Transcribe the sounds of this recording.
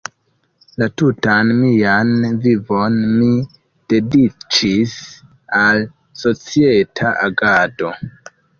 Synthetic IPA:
latutanmianvivo̞nmi | d̥e̞dit͡ʃis | al | so̞t͡sietʰaʔaɡado̞

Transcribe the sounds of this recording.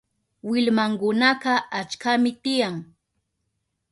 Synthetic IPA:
wɪlmaŋkʊnaɢɑat͡ʃkamɪt̪ɪjaŋ

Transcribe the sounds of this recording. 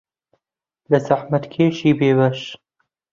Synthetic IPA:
ləzaħmɐt̪kʰeːʃiːbeːβɐʃ

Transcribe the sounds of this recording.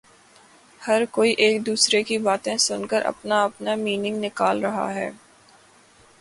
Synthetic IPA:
hɐɾkoːiʔeːk̚d̪uːsɾekibaːt̪ẽsʊnkəɾʔɐ̰pnaɐpnamiːnɪ̃ŋɡnɪkaːlɾɐɦa̰ɦɛː

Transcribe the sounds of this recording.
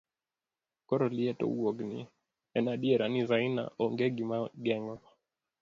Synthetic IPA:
kɔɾɔliɛtɔ̰uwɔɡnḭ | ɛnaɗiɛɾanizaina̰ɔŋɡɛɡimaɡɛŋɡɔ

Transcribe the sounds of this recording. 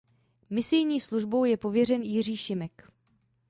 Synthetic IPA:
mɪsɪjɲiːsluʒbo̞wjɛpo̞vjɛr̝ɛnjɪriːʃɪmɛk

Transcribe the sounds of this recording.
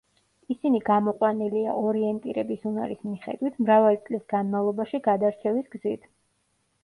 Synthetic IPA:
isiniɡamɔqʼwanilia̰ʔɔɾiɛnt̪ʼiɾɛbisunaɾismiχɛ̰d̪wit̪ʰmɾavalit̪sʼlisɡanmavlˠɔbaʃiɡad̪aɾt͡ʃʰɛvisɡzit̪ʰ

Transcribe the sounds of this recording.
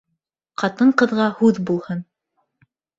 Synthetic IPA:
qɑt̪ɤɴqɤ̆ðʁɑhʉðbulˠhɤn

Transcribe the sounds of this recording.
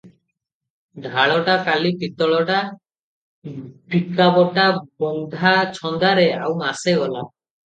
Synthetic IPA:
ɖʱaɭɔʈakalipit̪ɔɭɔʈa | pikabɔʈabɔnd̪ʱat͡ʃʰɔnd̪aɾeawmaseɡɔla

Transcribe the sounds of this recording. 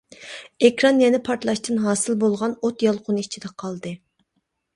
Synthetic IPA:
ekʰɾɑnjɛnɪpʰɑɾt̪lˠɑʃt̪ɨnɦɑːsɨlˠbolˠʁɑnot̪jɑlˠqʰʊnɨit͡ʃʰid̪ɛqʰɑlˠd̪ɨ

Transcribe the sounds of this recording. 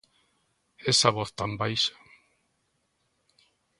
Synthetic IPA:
esaβɔθt̪ambajʃḁ

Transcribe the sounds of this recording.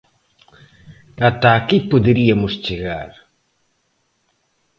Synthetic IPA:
at̪aːkipoðeɾiɐmʊst͡ʃeɣaɾ

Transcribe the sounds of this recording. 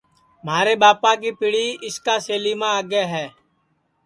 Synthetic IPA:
m̤aːɾeːɓaːpãːk̬iːpiːɽiːʔɪskaːseːliːmãːaːɡeːɦɛː

